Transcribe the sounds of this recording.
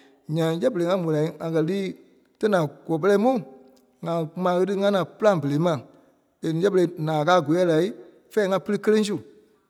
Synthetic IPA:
ɲã˨˦jɛ˦bə˨le˨˦ŋã˧˦mũ˨la˨ĩ˦a˨kɜ˧liː˦ | tɛ˦nã˨ɡ̥ɔː˨p̬ə˦lɛ˧˦mũ˦˨ | ŋã˨mã˨˦ɣə˧tɨ˦ŋã˦nã˨pɨ˦lã˦˨bə˨le˨˦mã˨ | e˨nĩ˨˦ɛ˦bə˨ɾe˧˦nãː˨kaː˦˨ɡo˨˦ɛ˦˨la˨i˦ | fɛː˦ŋã˧pɨ˦lɨ˦kə˦lẽ˦s̬u˦˨

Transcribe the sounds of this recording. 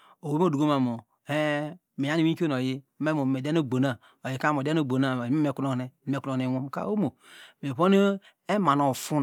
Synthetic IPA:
o˨wo˦m˦o˦˨du˨ɡo˦ma˨mo˨ | e˦ | me˨ja˦i˨wi˦ko˦n˨o˨ji˦me˦mo˨e˨de˦no˦˨bo˨na˦ | o˨ji˨ka˦mo˨de˦no˦˨bo˨na˨˦m˦e˦˨ku˦no˦˨ne˨e˦ko˨e˨wo˦m˨ka̰˦o˦mo˨me˨βo˦ne˦ | e˦ma˨no˨fu˦n

